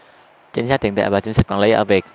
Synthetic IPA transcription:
t͡ɕi˧˦ŋsaː˦˥t̪̚i˨˩ən˩a̰˧˩vaː˨˩t͡ɕï˨˦ŋsa˦˥t̚kɔ˨˩nlə˨˦jʔəː˧˩vi˨˩ək̚

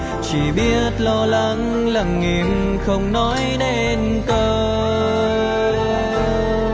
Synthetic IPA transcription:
t͡ɕi˧˩ɓi˦˥ət̚lɔ˧la˨˦ŋ | lə˨˩ŋːi˨˩mxə˧wŋ͡mnɔ˨˦jɗe˧ | n | kə˧

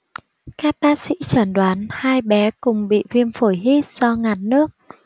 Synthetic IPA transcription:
kaː˦˥k̚ɓaː˦˥t̚sḭ˧˥t͡ɕə˧˩nɗwaː˨˦nhaː˧jɓɛ˨˦kʊ˨˩ŋ͡mɓḭ˧˨vi˧ənfo˧˩jɦi˦˥t̚z̥ɔ˧ŋaː˨˩n̚nɨ˦˥ək̚

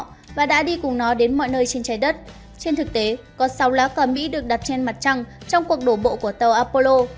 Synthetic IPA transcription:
vaː˨˩ɗa̰ː˧˥ɗi˧kʊ˨˩ŋ͡mnɔ˨˦ɗe˨˦nmɔ̰˧˨jnəː˧jt͡ɕe˧nt͡ɕaː˨˦jɗə˦˥t̚ | t͡ɕe˧nt̪ɨ˨˩k̚t̪e˨˦ | kɔ˨˦sa˨˦wlaː˨˦kəː˨˩mḭ˧˥ɗɨ˨˩ək̚ɗa˨˩p̚t͡ɕɛ˧nma˨˩t̚t͡ɕa˧ŋ | t͡ɕɔ˧wŋ͡mku˨˩ək̚ɗo˧˩ɓo̰˧˨ku˧˩ət̪ə˨˩wʔaː˧po˧lo˧

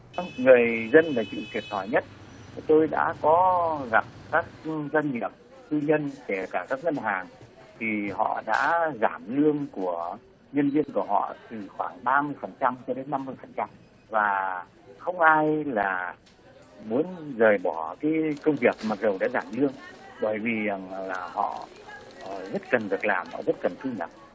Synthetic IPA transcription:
ŋɨ˨˩əjzə˧nlaː˨˩t͡ɕɨ̰˧˨t̪wi˨˩əp̚t̪ʰɔ˧˩jɲə˦˥t̚ | t̪o˧jɗa̰ː˧˥kɔ˨˦ɣa˨˩p̚kaː˦˥k̚za˧ŋŋi˨˩əp̚ | t̪ɨ˧ɲə˧nke˧˩kaː˧˩kaː˦˥k̚ŋə˧nɦaː˨˩ŋ | t̪ʰi˨˩hɔ̰˧˨ɗa̰ː˧˥zaː˧˩mlɨ˧əŋku˧˩ə | ɲə˧nvi˧ənku˧˩əɦɔ̰˧˨t̪ɨ˨˩xwaː˧˩ŋɓaː˧mɨ˧əjfə˨˩nt͡ɕa˧mt͡ɕɔ˧ɗe˨˦nːa˧mːɨ˧əjfə˨˩nt͡ɕa˧m | vaː˨˩ | xə˧wŋ͡mʔaː˧jlaː˨˩ | mu˨˦ənzəː˨˩jɓɔ˧˩kaː˨˦jkə˧wŋ͡mvi˨˩ək̚maː˨˩t̚zə˨˩wɗa̰ː˧˥zaː˧˩mlɨ˧əŋɓəː˧˩jvi˨˩laː˨˩hɔ̰˧˨˩ | zə˦˥t̚kə˨˩nvɨ˨˩ək̚laː˨˩mhɔ̰˧˨˩zə˦˥t̚kə˨˩nt̪ʰɨ˧ɲə̰˨˩k̚

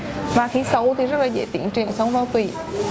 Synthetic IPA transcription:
vaː˨˩xi˨˦sə˨˦wt̪ʰi˨˩zə˦˥laː˨˩zḛː˧˥jt̪ḭ˧˩ənt͡ɕwi˨˩ənsə˨˦wŋ͡mvaː˨˦wt̪wi˧˩

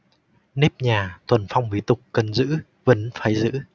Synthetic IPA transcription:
ne˦˥p̚ɲaː˨˩t̪ʰwə˨˩nfa˧wŋ͡mvi˨˦t̪ʊ˨˩k͡p̚kə˨˩nzɨ̰˧˥ | və˨˦nfaː˨˦jzɨ̰˧˥

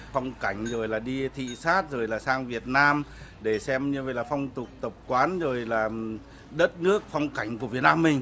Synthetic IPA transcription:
fa˧wŋ͡mka˧˩jŋ̟zo˨˩jlaː˨˩ɗi˧t̪ʰḭ˧˨saː˦˥t̚zo˨˩jlaː˨˩saː˧ŋvi˨˩ət̚naː˧mɗe˧˩sɛ˧mɲɨ˧və̰˧˨jlaː˨˩fa˧wŋ͡mt̪ʊ˨˩k͡p̚t̪ə˨˩p̚kwaː˨˦nzo˨˩jlaː˨˩ | ɗə˦˥t̚nɨ˦˥ək̚fɔ˧wŋ͡mka˧˩jŋ̟ku˧˩vət̚naː˧mːï˨˩ŋ̟

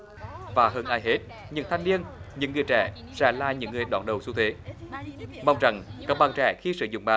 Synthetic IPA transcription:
vaː˨˩ɦəː˧nʔaː˧jɦe˦˥t̚ | ɲɨ̰˧˥ŋt̪ʰa˧jŋ̟ni˧ənɲɨ̰˧˥ŋːɨ˨˩əjt͡ɕɛ̰ː˧˩ | sɛ̰ː˧˥laː˨˩ɲɨ̰˧˥ŋːɨ˨˩əjɗɔ̰ː˧˩nɗə˨˩wsu˧t̪ʰwe˨˦ | ma˧wŋ͡mza˨˩ŋkaː˦˥k̚ɓaː˨˩nt͡ɕɛ̰˧˩xi˧sɨ̰˧˨zʊ̰˧˨ŋ͡mɓaː˨

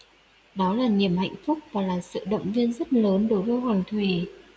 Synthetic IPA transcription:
ɗɔ˨˦laː˨˩ni˨˩əmha̰˧˨jŋ̟fʊ˦˥k͡p̚vaː˨˩laː˨˩sɨ̰˧˨ɗə̰˧˨wŋ͡mvi˧ənzə˦˥t̚ləː˨˦nɗo˨˦jɗo˧ɦwaː˨˩ŋt̪ʰwi˨˩

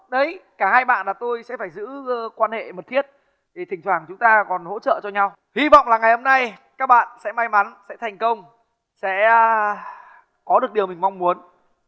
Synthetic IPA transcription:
ɗə˨˦jkaː˧˩haː˧jɓa̰ː˧˨nlaː˨˩t̪o˧jsɛ̰˧˥faː˧˩jzɨ̰˧˥˧kwaː˧nhḛ˧˨mə˨˩t̪̚ʰi˦˥ət̚ | t̪ʰŋt̪ʰwaː˧˩ŋt͡ɕʊ˨˦ŋ͡mt̪aː˧kɔ˨˩nho̰˧˥t͡ɕə̰ː˧˨t͡ɕɔ˧ɲa˧w | hwi˧vɔ̰˧˨wŋ͡mlaː˨˩ŋa˨˩jho˧mna˧jkaː˦˥k̚ɓa̰ː˧˨nsɛ̰˧˥ma˧jma˨˦nsɛ̰˧˥t̪ʰa˨˩jŋ̟kə˧wŋ͡m | sɛ̰˧˥ | kɔ˨˦ɗɨ˨˩ək̚ɗi˨˩əwmï˨˩ŋ̟ma˧wŋ͡mmu˨˦ən

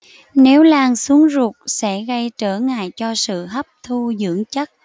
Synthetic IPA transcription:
ne˨˦wlaː˧˩ŋsu˨˦əŋzu˨˩k̚sɛ̰˧˥ɣə˧jt͡ɕəː˧˩ŋa̰ː˧˨jt͡ɕɔ˧sɨ̰˧˨ɦə˦˥p̚t̪ʰu˧zɨ̰˧˥əŋt͡ɕə˦˥t̚

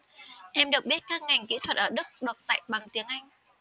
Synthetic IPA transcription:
ʔɛ˧mɗɨ˨˩ək̚ɓi˦˥t̚kaː˦˥k̚ŋa˨˩jŋ̟kḭ˧˥t̪ʰwə˨˩t̚ʔəː˧˩ɗɨ˦˥k̚ɗu˨˩ət̚za̰˧˨jɓa˨˩ŋt̪i˨˦əŋʔa˧jŋ̟

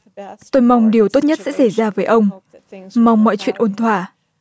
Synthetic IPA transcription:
t̪o˧jma˧wŋ͡mɗi˨˩əwt̪o˦˥t̚ɲə˦˥t̚sɛ̰˧˥sa˧˩jzaː˧vəː˨˦jʔə˧wŋ͡m | ma˧wŋ͡mːɔ̰˧˨jt͡ɕwḭ˧˨ənʔo˧˩nt̪ʰwaː˧˩

